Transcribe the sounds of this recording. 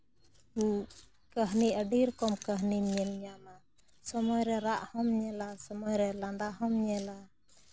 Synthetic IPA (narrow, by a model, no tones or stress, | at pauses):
u | kəɦniʔəɖiɾkɔmkəɦnimɲɛlɲama | sɔmɔjɾɛɾaʔhɔmɲɛlasɔmɔjɾɛlaɳdaɦɔmɲɛla